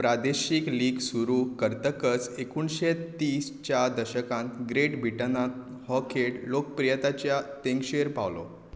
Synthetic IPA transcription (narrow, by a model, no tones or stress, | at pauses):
pɾad̪eɕikliːɡsuɾuːkəɾt̪əkət͡sekunɕet̪iːst͡ɕjad̪əɕəkãnt̪ɡɾeʈbʱiʈənat̪ | hɔkʰeʈlok̚pɾijət̪at͡ɕjat̪ẽŋkɕeɾpaʋlɔ̰